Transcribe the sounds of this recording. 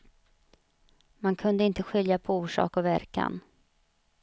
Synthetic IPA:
mankʰɵnd̪əɪnt̪əɧʏljapʰɔuːʂɑ̰ːkɔvæɾka̰n

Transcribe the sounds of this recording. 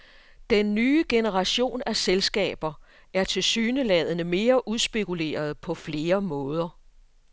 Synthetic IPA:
d̥enːyːəɡ̥e̝nəʁɑ̈ɕo̝̰ːnæselsɡ̥ɛ̰ːb̥ɐ | ʔæɐt͡sʰe̝lsyːnəlɛð̞̰ˠənəme̝ːɐʔuðˠsb̥e̝kʰule̝̰ːɐð̞̩ˠpʰɒ̽fle̝ːɐmɔ̽ːð̞ˠɐ

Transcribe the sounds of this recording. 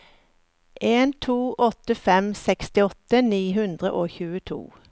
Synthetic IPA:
ʔeːnt̪ʰuːʔɔt̪əfɛmsɛkst̪ɪɔt̪əniːɦʉnd̪ʁə̰ʔoːçʉːət̪ʰṵː

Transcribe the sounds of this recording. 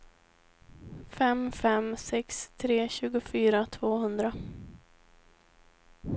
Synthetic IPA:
fɛmfɛmsɛkst̪ʰɾeːɕʉ̟ːɡʊfyːɾat̪ʰvoːhɵnd̪ɾa

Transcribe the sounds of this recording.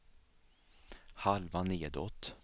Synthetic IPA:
halvaneːd̪ɔt̪ː

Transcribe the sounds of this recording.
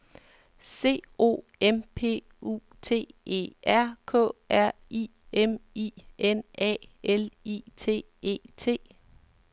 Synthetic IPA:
se̝̰ːo̝̰ | empʰe̝̰ː | ṵ | t͡sʰe̝̰ːe̝̰ːæɐ̰kʰɔ̰̽ːʔæɐ̰i | emiːenɛ̰ːelḭːt͡sʰe̝̰ː | e̝̰ːt͡sʰe̝̰ː

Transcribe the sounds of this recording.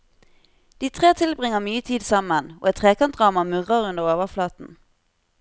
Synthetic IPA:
d̪̥iːt̪ʰʁeːt̪ʰɪlbʁɪŋəmyːət̪ʰiːd̪sɑməno̰ːɛt̪t̪ʰʁeːkɑnt̪d̪ʁɑːmɑmʉʁəʁʉnd̪əʁoːʋəʁflɑːt̪n̩

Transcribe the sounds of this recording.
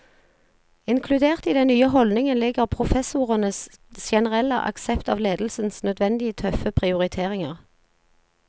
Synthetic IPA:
ɪŋkʰlʉd̪eːʁt̪iːd̪ɛnnyːəɦɔlnɪŋənlɪɡəʁpʰʁʊfɛsʊʁənəsʃɛnəʁɛlə̰ʔɑ̰ksɛpt̪ɑːʋleːd̪lsnsnœd̪ʋɛnd̪ɪət̪ʰœfəpʰʁɪʊʁɪt̪ʰeːʁɪŋəʁ

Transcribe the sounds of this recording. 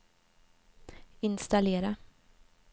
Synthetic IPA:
ɪnst̪aleːɾa

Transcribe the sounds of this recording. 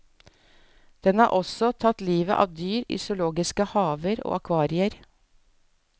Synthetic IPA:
d̪̥ɛnɑːɾʔɔsɔt̪ʰɑt̪liːʋəʔɑ̰ːʋd̪yːɾʏ̰sʊloːɡɪskəhɑːʋəɾo̰ːɑkʰʋɑːɾɪəɾ

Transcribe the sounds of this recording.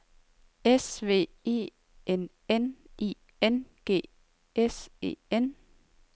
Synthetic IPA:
esʋe̝̰ːe̝̰ː | en | enʔiː | enɡ̥e̝̰ː | ese̝̰ːen

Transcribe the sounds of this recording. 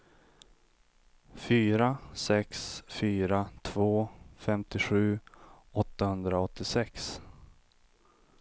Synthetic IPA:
fyːɾasɛksfyːɾat̪ʰvoːfɛmt̪ɪɧʉ̟ːɔt̪ːahɵnd̪ɾaɔt̪ːɪsɛks

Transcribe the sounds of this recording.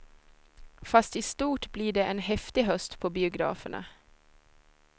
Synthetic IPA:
fast̪ɪst̪uːʈbliːɖɛʔɛnɦɛft̪ɪɦœst̪pʰɔbɪʊɡɾɑ̰ːfə̰ɳa̰

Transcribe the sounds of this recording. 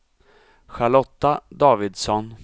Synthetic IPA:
ɧaɭɔt̪ːad̪ɑːvɪd̪sɔn

